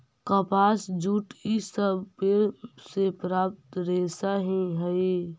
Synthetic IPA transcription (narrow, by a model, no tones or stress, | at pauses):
kəpaːsd͡ʒuːʈisəbpesepɾaːp̚t̪ɾeːsaɦĩɦəe